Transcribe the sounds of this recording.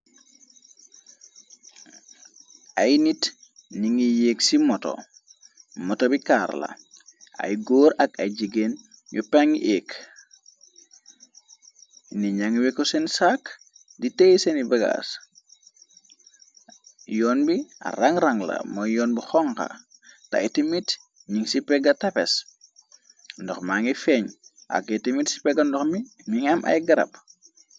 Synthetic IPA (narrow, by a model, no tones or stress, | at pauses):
ajnitniŋijeːksimɔto̰ | mɔtobikaːɾlɐ̰a̰jɡoːɾɐkaɟiɡen | jupaŋiʔeːk | niɲaŋwekosensaːk | ditejisenibɐɡa̰s | jɔːnbia̰ɾaŋɾɐŋlɐ̰mɔjjɔːnbixɔŋka̰ | ta̰itimit | ɲiŋsipɛɡɐtɐpɛs | ndɔxmaŋifɛɲ | ʔa̰kitimitsi̥pɛɡɐndɔxmiɲiŋɐmʔɐ̰jɡɐɾɐ̰p̚